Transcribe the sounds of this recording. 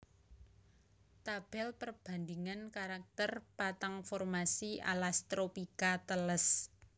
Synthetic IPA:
t̪ab̥ɛlpərb̥a̤nd̪iŋankaɾak̚t̪ərpat̪aŋfɔrmasiʔa̰last̪ɾopikat̪ələs

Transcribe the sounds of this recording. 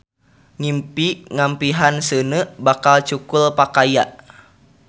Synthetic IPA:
ŋimpiŋampiɦansənəbakalt͡ʃukulpakajaʔ

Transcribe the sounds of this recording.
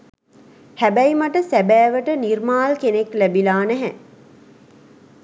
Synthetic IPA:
hæbæjmaʈəsæbæːʋəʈənirmaːlkeneklæbilaːnæɦɛ

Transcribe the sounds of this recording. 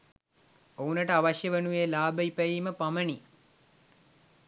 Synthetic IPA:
ounəʈəaʋaʃjəʋənujeːlaːbəipəjiːməpaməni

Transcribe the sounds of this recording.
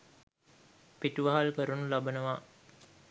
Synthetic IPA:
piʈuʋaɦalkəɾunulabənəʋa

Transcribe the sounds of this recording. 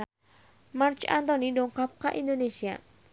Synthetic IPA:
mart͡ʃa̰nt̪ɔnidɔŋkap̚kaʔindonesia̰

